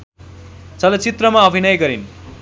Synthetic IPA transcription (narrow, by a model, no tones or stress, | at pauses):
t͡sʌlʌt͡sit̪rʌmaʌbʱinʌjɡʌɾin